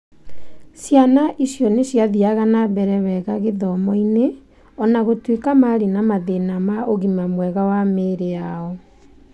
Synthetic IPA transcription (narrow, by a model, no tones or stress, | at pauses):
sjanaʔisjɔnesjaðiaɣanabɛɾɛβɛɣaɣeðɔmɔine | ɔnaɣotwekamaɾenamaðenamaʔoɣimamwɛɣawameɾeaɔ